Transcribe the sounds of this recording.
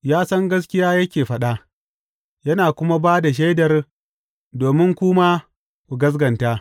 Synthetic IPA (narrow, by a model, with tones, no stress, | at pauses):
jaː˦sɐ˦ŋɡɐ˦s̬kʲɪ˦jaː˦jɐ˦kʲeː˨ɸɐ˦ɗa˦ʔ | jɐ˦naː˨kʷʊ˦ma˦baː˦da˨ʃ̬e˦jdɐ˨r | doː˨mɪ˦ŋkʷʊ˦maː˦ | kʷu˨ɡɐ˦s̬ɡɐ˨nta˦